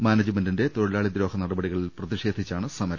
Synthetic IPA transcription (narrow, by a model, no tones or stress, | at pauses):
maːnɐd͡ʑɨmendinde̞t̪oɽɐlaːɭid̪ɾo̞ːhɐnɐɽɐbɐɽiɣɐɭilprɐðiʂe̞ːd̪ʱit͡ɕːaːɳɨsɐmɐɾɐm